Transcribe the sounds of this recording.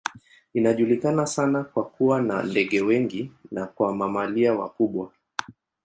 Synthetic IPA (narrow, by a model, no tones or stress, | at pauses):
inaʄulikanasanakwakuwana̰ndɛɠɛwɛŋɡinakwamamaliawa̰kuɓwa